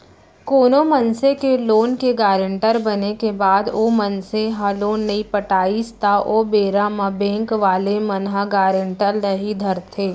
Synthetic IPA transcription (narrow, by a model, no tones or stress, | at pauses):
koːnomɐnsekeloːnkeɡaːɾɪ̃ɳʈəɾbɐnekebaːd̪oːmɐnseɦaloːnːɐipəʈaːist̪aʔoːbeːɾamabẽːŋkʋaːlemɐnɦaɡaːɾɪɳʈəlːɐɦid̪ʱɐɾt̪ʰeː